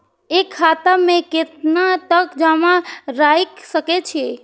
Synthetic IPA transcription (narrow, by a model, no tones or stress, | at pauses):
ekʰːat̪amẽket̪nat̪əkd͡ʒamãɾajkʃəket͡ʃʰe